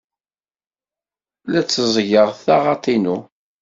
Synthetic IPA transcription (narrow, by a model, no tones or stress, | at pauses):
læt͡sːəzˤʝəʁθaʁɑt̪ˤinu